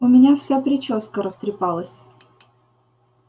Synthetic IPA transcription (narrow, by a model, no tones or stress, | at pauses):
ʊmʲɪnʲafsʲapɾʲɪt͡ɕoskəɾəst̪ɾʲɪpɑlˠəsʲ